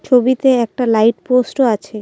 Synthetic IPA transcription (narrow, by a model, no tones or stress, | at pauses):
t͡ɕʰobit̪eɛk̚ʈalajʈposʈoat͡ɕʰe